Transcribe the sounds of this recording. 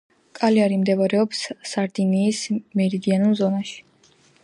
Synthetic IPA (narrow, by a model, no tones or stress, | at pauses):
kʼaliaɾimd̪ɛvaɾɛɔpsːaɾd̪iniːsmɛɾid̪ianulˠzɔnaʃi̥